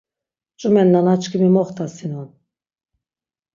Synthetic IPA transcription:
t͡ʃʼumɛnːanat͡ʃʼkimimɔχt̪ʰʼasinun

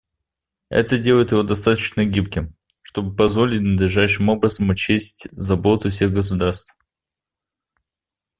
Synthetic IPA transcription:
ɛ̰t̪ədʲe̞lˠəɪt̪jɪvo̞d̪ɐst̪at̪ət͡ɕnəɡʲip̚kʲɪm | ʂt̪o̞bɨpɐzvo̞lʲɪtʲnəd̪lʲɪʐajʂɨmo̞bɾəzəmʊt͡ɕesʲtʲzɐbo̞t̪ʊfsʲeɣɡəs̬ʊd̪arst̪f

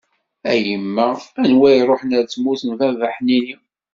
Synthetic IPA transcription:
æjəmːæænwæjɾˤoħnæɾt͡sːmuθənvævaħnini

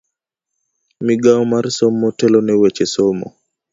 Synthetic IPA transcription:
miɡaɔmarsomːɔtɛlonɛwɛt͡ʃesomɔ̰

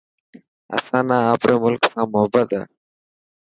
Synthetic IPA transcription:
a̰sanaapɾemʊlksamːʊɦbad̪a̰

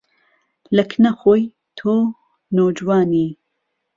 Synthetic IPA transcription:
ləkʰnɐxoːj | t̪ʰoː | noːd͡ʒwɑːniː

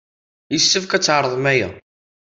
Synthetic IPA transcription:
jəsːəfkæt͡sːʕɾˤəðˤmæjæ̰

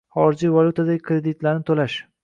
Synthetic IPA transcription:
χɒɾɪd͡ʒijvalʲˠut̪ʰad̪aɡʲɪkʰɾed̪ɪt̪laɾnɪt̪ʰolaʃ

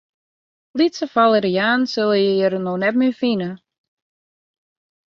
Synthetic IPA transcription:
litsəfalˠəɾəjaːnsɪlˠəjəjəɾənonɛtmyfinə

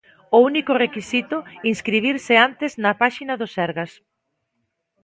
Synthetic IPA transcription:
ʊunikʊrekisit̪ʊinskɾiβ̞iɾsɪant̪ɪznɐpaʃinɐðosɛɾɣas

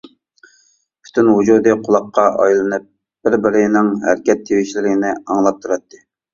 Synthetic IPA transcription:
pʰy̥t̪ʰynɦud͡ʒud̪ɨqʰʊlˠɑqʰːɑʔɑ̰jlˠɨnɨp̚ | b̥ɪɾbɪɾɪnɪŋɦæ̰ɾkʲɛt̪ʰːewɪʃlɪɾɪɪnɪɑŋlˠɑp̚t̪ʰuɾɑt̪ʰːɨ̥

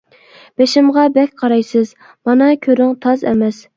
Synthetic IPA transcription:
b̥eʃɪmʁɑbɛkʲqʰɑɾɑjsɨz | mɑnɑkʲʰøɾyŋt̪ʰɑzɛ̰mɛs

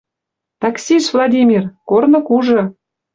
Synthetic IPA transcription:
t̪ɑksʲiʃvlˠɑd̪ʲimʲirkornɤ̆kuʒɤ̆

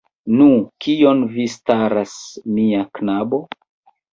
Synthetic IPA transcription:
nukʰionvistaɾasmiaknabo̞

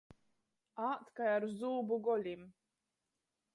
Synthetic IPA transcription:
aːt̪kajaɾzuːbuɡɔlʲim

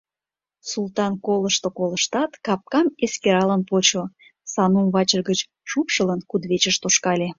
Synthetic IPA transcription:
sult̪ɑnkoləʃt̪okoləʃt̪ɑt̪kɑp̚kɑmeskeɾɑlənpot͡ɕo | sɑnumβɑt͡ɕərɣət͡ɕ | ʃupʃələnkud̪βet͡ɕəʃt̪oʃkɑlʲe

